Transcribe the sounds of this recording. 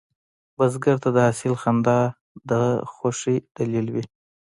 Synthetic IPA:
bazɡaɾt̪ad̪əhasɪlxand̪ɑ | d̪əxoʂid̪̥alilwi

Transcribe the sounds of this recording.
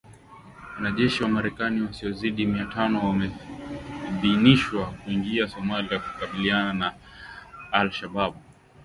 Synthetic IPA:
wanaʄɛʃiwamaɾɛkaniwasiɔziɗimiatanɔwamɛ | ðiniʃwakuiŋɡiasɔmaliaku̥kaɓilianana | alʃaɓaɓu

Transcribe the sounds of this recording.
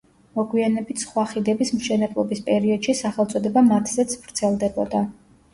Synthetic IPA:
mɔɡwianɛbit̪ʰsχwaχid̪ɛbismʃɛnɛblˠɔbispʼɛɾiɔd̪̥ʃisaχɛlˠt̪sʼɔd̪ɛbamat̪ʰzɛt̪sʰvɾt̪sʰɛlˠd̪ɛbɔd̪a

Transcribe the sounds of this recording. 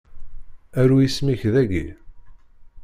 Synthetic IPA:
æɾujismiçðæɡḭ

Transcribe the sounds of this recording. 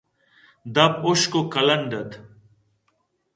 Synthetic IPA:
d̪ɐboʃkokɐlɐɳɖɐd̪

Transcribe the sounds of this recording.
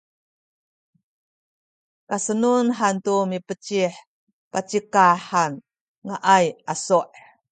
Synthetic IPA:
kasənunħantumipət͡ɕiħ | pat͡ɕikaħan | ŋaʔajʔasuʔ

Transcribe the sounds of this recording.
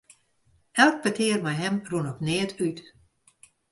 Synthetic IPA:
ɛlˠk̚pətʰɪərmɛjɦɛmrunɔpnɪːətyt

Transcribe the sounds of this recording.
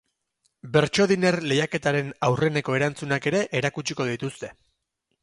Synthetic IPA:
be̞ɾt͡ʃo̞ðine̞rle̞jake̞t̪aɾe̞nawre̞ne̞ko̞e̞ɾant͡sunake̞ɾe̞ʔeɾakut͡ʃiko̞ð̞it̪ust̪e̞

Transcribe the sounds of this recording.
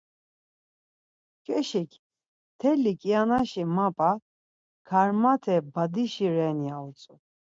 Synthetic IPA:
kʼɛʃikʰ | t̪ʰɛlikʼianaʃimapʼa | kʰaɾmat̪ʰɛbad̪iʃiɾɛniaut͡sʼu

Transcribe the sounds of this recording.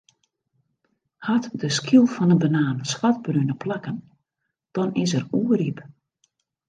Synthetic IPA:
hatdəskʰilˠfɔnənbənaːnswat̚brynəplakən | d̥ɔnɪs̬əruərip

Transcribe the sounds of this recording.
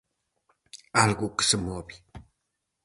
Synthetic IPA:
alɣukə̥səmobi

